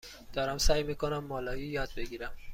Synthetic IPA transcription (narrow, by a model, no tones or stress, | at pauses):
d̪̥ɒːɾæmsæːjmiːkʰonæmːɒːlɒːjijɒːd̪̚be̞ɡiːɾæm